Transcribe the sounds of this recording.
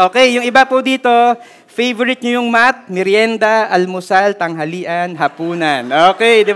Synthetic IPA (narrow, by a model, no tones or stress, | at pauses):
ʔoːkɛjːʊŋɪbapʊd̪iːt̪o̞ | fejvoɾɪt̪̚ɲʊjʊŋmat̪̚mɪɾjɛnd̪ɐʔɐlmʊsalt̪ɐŋɦɐliːʔɐnɦɐpuːnɐnʔoːkɛjd̪ɪ